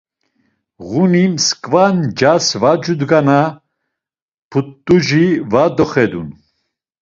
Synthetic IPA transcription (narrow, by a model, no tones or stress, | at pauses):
ɣunimskʼvand͡ʒasvad͡ʒud̪ɡana | pʰut̪ʼːuʒivad̪ɔχɛd̪ṵn